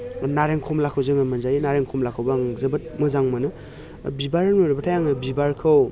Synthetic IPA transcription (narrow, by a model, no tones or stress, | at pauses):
naɾeŋkʰɔmlakʰɯwzɯŋɯmɯnzajinaɾeŋkʰɔmlakʰɯwbaaŋzɯbɯt̚mɯzaŋmɯnɯ | bibaɾɯnoɾebatʰajaŋɯbibaɾkʰɯw